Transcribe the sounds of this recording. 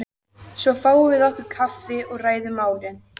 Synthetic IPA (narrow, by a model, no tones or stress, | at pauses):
svɔfaːwvɪðɔhkʏɾ̥kʰafɪɔɣraːjðʏmaːwɾɪn